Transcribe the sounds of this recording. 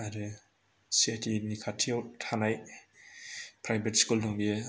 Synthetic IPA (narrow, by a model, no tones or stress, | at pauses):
aɾe | siatinikʰatʰiawtʰanaj | pʰɾajbetskuldɔŋbi